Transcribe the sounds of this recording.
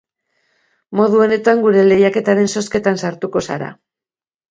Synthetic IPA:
mo̞ðuo̞ne̞t̪aŋɡuɾe̞le̞jake̞t̪aɾe̞nso̞ske̞t̪ansaɾt̪uko̞sa̰ɾa̰

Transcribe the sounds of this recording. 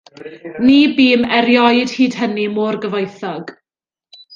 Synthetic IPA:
niːbiːmɛɾjɔɨd̥hiːd̥hənimoːrɡəvɔjθɔɡ̥

